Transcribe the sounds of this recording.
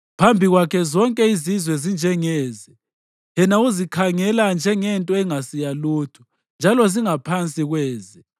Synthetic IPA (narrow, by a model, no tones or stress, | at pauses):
pʰambʱiɣwakʰɛzɔŋkʼɛizizwɛzind͡ʒʱɛŋɛːzɛ | jɛnauzikʰaŋɛland͡ʒʱɛŋɛntʼɔɛŋasijaluːtʰu̥ | nd͡ʒʱalɔziŋapʰant͡sʼiɣwɛːzɛ